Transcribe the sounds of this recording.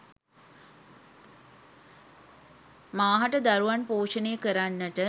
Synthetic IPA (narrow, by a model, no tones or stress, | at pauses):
maːɦaʈəd̪aɾuʋanpoːʂənejəkəɾanːəʈə